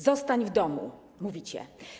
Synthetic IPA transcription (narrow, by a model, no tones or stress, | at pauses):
zɔst̪aɲvd̪ɔmṵ | muvʲit͡ɕɛ̰